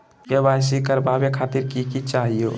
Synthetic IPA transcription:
kebajsikəɾbabekʰat̪iɾkikit͡ʃaɦijo̰

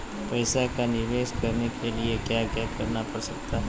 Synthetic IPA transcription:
pɐɪsakanɪɾʋeːʃkɐɾnekʰeliekjaːkjaːkɐɾnapɐɾsɐk̚t̪aɦɛ

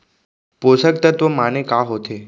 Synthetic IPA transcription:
posək̚t̪ət̪ʋəmanekaɦot̪ʰe

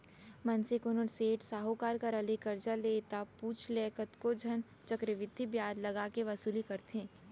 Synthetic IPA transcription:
mɐnsɪkʊnəɾseːʈsaːɦokaːɾkaɾɐlekɐɾd͡ʒaleːt̪apuːt͡ʃʰlɛːkət̪kod͡ʒʱɐn | t͡ʃɐkɾɪʋɪd̪ʱːibjaːd̪lɐɡaːkeʋɐsuːlikɐɾt̪eẽː

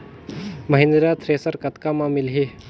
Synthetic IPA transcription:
məɦɪnɾat̪ʰɾeːsəɾkɐt̪kamãmɪlɦi

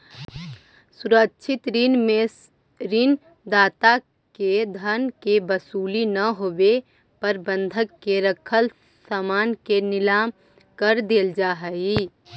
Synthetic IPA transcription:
sʊɾəkʃʰɪt̪ɾme | ɾin | d̪aːt̪a | ked̪ʱənkebəsuːlinɐɦoːbe | pəɾbə̃nd̪ʱəkːeɾəkʰəl | samaːnkenɪlaːm | kəɾd̪eːld͡ʒaːɦɛɡi

